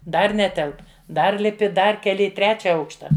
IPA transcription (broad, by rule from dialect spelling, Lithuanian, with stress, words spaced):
ˈdɐr ˈnʲæːtʲɛlˠp ˈdɐr lʲɪˈpʲɪ ˈdɐr kʲɛˈlʲɪ ɪ ˈtʲrʲæːt͡ʃʲɛ ˈɐʊkʃtɐ